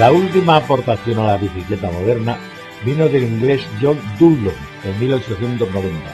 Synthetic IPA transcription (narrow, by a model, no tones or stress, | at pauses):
lault̪imaːpo̞ɾt̪aθjo̞nalaβiθikle̞t̪amo̞ð̞e̞ɾna | bino̞ðe̞liŋɡle̞sʝo̞nd̪uloŋ | enmilo̞t͡ʃo̞θje̞nt̪o̞zno̞β̞e̞nt̪a